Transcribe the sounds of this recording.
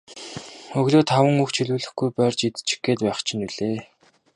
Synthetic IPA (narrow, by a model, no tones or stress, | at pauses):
ɵɣɮoːt̪ʰawə̆ŋuxt͡ɕʰiɮuːɮɘ̆xɡujpœːrt͡ɕit̪t͡ɕɪ̥̆ɡeːt̪pæːχt͡ɕʰɪ̆niɮeː